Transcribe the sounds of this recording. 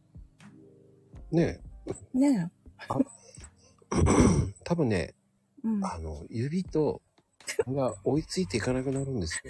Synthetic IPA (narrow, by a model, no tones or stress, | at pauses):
ne̞nea | t̪abɯ̟̃nːe̞̰ | ano̞̰jɯ̟bʲit̪o̞ | ɡao̞it͡sɨit̪e̞ikanakɯ̟naɾɯ̟̃nd̪e̞sɨ̥